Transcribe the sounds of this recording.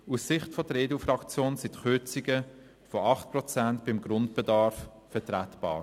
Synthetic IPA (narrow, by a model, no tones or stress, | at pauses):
ussɪχtfɔdəɾeːdufɾɑkt͡sjoːnsitχʏt͡siɡə | fɔʔɑχt̚pʁɔt͡sæntb̥ɪmɡɾʊntb̥ɛdɑɾf | fɛtɾætb̥ɑ̰ːɾ